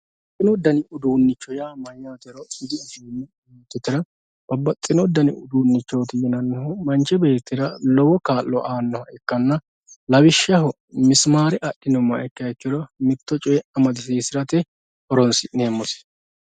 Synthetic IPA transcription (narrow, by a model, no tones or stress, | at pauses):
bɐt͡sʼːɪnɔd̪ɐnɪʔʊd̪uːnːɪt͡ʃːɔjaːmɐjaːt̪ɪɾɔɪd̪ɪɐd͡ʒinːɛ | eːt̪ːɪt̪ːɪɾɐ | b̥ɐbːɐt͡sʼːɪnɔd̪ɐnɪʊd̪uːnːɪt͡ʃːɔːt̪ɪjɛnɐnːɛɦʊmɐnt͡ʃɛbe̞ːt̪ːɪɾɐlɔwɔkaːlːɔ̰ʔaːnːɔhɐɛkːɐnːɐ | lɐwɪʃːɐɦɔ | mɪsmaːɾɛʔɐɗɪnɔmːɐɛkːɐɛkːɪɾɔmɪt̪ːɔt͡ʃʼɔjɛɐmɐd̪ɪsiːsɪɾɐt̪ɛ | ʔɔɾɔnsɪʔneːmːɔsɛ̥